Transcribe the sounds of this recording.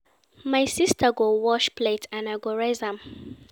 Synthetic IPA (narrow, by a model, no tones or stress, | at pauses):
majsistʰaɡowɔʃpʰletʰãnaɪɡɔɹazãm